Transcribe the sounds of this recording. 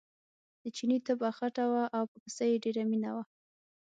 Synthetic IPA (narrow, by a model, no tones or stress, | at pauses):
d̪̥ət͡ʃinit̪əbaxaʈawaʔawpəpəsajeɖeɾaminawa